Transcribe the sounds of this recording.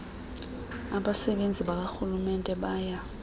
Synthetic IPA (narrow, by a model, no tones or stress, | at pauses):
aɓasɛɓend͡zʱiɓak̬axulumɛntʼɛɓaːja